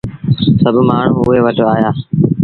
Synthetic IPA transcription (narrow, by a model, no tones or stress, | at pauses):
səbʱmaːɳ̤ũːʊɦeːʋəʈoaːjaː